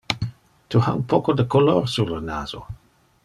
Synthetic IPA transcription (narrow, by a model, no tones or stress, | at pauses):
tʰuha̰unpokod̪əkoloːrsuɾləna̰ːz̥o̰